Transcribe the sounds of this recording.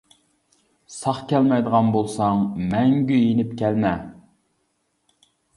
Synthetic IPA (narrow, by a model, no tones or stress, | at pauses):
sɑχkʲʰɛlmɛjd̪əʁɑnbolˠsɑŋmɛŋɡʲyjenɪpkʲʰɛlmɛ